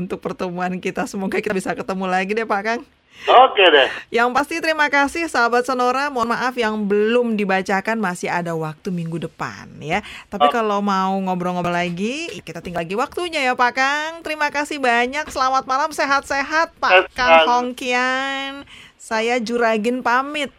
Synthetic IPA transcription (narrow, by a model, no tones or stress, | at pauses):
unt̪ʊk̚pərt̪əmuankit̪asəmoɡakit̪abisakət̪əmulaɡidɛpakaŋ | okedɛjaŋpast̪it̪əɾimakasɪhsaɦabat̪̚sənoɾamuanmaʔafjaŋbəlʊmdibat͡ʃakanmasɪɦadawak̚t̪umiŋɡudəpa̰njat̪apikalomauŋobɾɔŋɔlaɡikit̪at̪iŋɡalɡiwak̚t̪uɲajapakaŋt̪əɾimakasɪhbaɲaksəlamat̪̚malamseɦat̪̚seɦat̪̚pakaŋhɔŋkian | sajad͡ʒuɾaɡɪnpamɪt̪̚